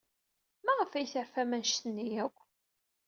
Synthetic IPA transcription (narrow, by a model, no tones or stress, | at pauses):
mæʁəfæjθəɾfæmænʃt̪ənːijækʷː